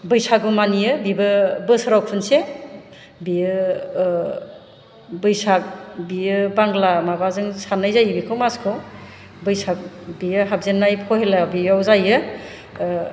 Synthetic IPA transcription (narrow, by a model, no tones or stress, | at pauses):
bɯjsʰaɡumanijɯbibɯbɯsɾawkʰunse | bijɯ | bɯjsak̚bijɯbaŋɡlamabazɯŋsanajzajbikʰɯwmaskʰɯ | bɯjsʰak̚ | bijɯɦab̚zenːajpʰɔhelabijawzajɯ